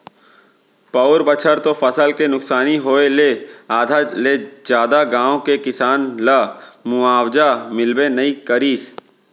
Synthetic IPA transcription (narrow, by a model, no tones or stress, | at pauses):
paʊɾbət͡ʃʰəɾt̪ofəsəlkenʊksaːniɦoːeleaːd̪ʱaled͡ʒjaːd̪aɡãːõkekɪsaːnlamʊaːwd͡ʒamɪlbenəikəɾiːs